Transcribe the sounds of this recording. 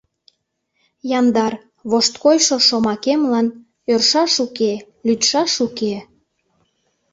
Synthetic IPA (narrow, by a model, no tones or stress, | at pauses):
jɑnd̪ɑr | βoʃt̪kojʃoʃomɑkemlɑn | ørʃɑʃuke | lyt̪ʃɑʃuke